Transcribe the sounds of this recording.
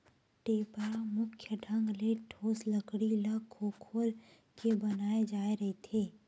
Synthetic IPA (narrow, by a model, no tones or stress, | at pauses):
ʈeːpəɾamʊkʰjəɖʱɐ̃ŋɡleʈʰoːslɐkɽilɐɡʰoːkʰoːl | kebɐnaːed͡ʒaːeɾɐɦet̪ʰeː